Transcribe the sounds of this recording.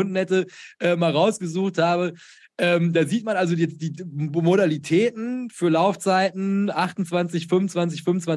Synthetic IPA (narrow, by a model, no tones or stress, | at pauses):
ʊnn̩hɛtəʔɛːmaːlʁaʊsɡ̥əzuːxthaːbə | ʔɛːmdaːziːtmanʔalzojɛt͡std̥iːmoɾalitʰɛːtn̩fyːɐlaʊft͡saɪtn̩ʔaχtn̩t͡sv̥ant͡sɪçfʏmʊnt͡sv̥ant͡s̬ɪçfʏmʊnt͡sv̥a